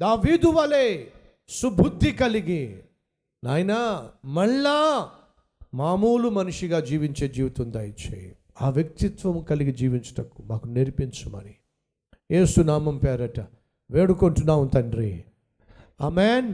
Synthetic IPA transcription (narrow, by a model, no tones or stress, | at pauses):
d̪aːʋiːd̪uʋɐleː | subud̪ʱːikɐliɡi | naːjnamɐɭːaː | maːmuːlumɐnuʂiɡaːd͡ʒiːʋiɲt͡ʃeːd͡ʒiːʋut̪und̪ɐːjit͡ʃḛ | aːʋjɐk̚t̪it̪ʋɐmkɐliɡid͡ʒiːʋiɲt͡ʃɐ̥ʈɐkːumaːkuneɾipiɲt͡ʃumɐ̰ni | jeːsunaːmɐmpɛːɾɐʈɐ | ʋeːɽukoɳʈunːaːunt̪ɐɳɖɾḭ | aːmeːn